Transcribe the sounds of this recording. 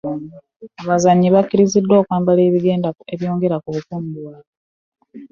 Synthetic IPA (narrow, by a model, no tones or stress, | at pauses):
aβazaɲːiβakːiɾizidːo̞ːkwaːmbale̞ːβiɡe̞ːndaeβjo̞ːŋɡe̞ɾakuβukuːmbuwaːβo